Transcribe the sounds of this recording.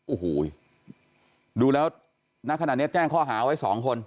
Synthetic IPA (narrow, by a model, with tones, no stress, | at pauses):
ʔoː˨˩hoː˨˩ | duː˧lɛː˦˥w | na˦˥kʰːa˨˩t̪̚ni˦˥ɐt͡ɕɛː˥˩ŋkʰɔː˥˩ɦaː˩˦˧wa˦˥jsɔː˩˦ŋkʰo˧n